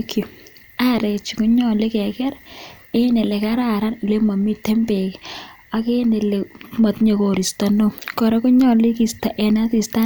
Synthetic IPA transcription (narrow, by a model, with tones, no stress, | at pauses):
ko˨ | a˦ɾɛ˨t͡ʃi˨kʊ˦ɲɔ˦le˦kɛ˨kɛ˦ɾe˦ne˨lɛ˨ka˦ɾa˨ɾa˦nu˨le˦ma˨mi˦tɛ˦mpe˨k | a˨ke˦ne˨le˨ma˨t̪ɲe˨ko˨ɾi˨sta˨no˦˨kɔ˨ɾɔ˦kʊ˦ɲɔ˦li˦ki˨sta˨ʔɛ˨na˦ti˨sta˦